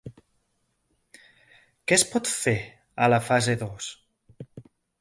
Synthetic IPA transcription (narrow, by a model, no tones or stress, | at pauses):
kɛspɔt̪fe | əlafazeðos